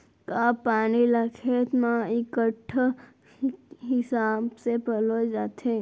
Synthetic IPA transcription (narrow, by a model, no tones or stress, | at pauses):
kapanilakʰet̪mãikəʈʰ | ɦɪsabsepəlod͡ʒat̪ʰe